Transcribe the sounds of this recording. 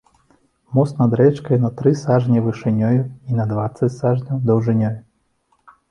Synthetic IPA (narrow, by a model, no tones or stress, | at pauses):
mɔsnɐd̪ɾɛt͡ʂkɐjunɐt̪ɾɨsaʐnʲɐvɨʂɨnʲɔjuinɐd̪vat̪sːɐt͡sʲsaʐnʲɐwd̪ɐwʐɨnʲɔju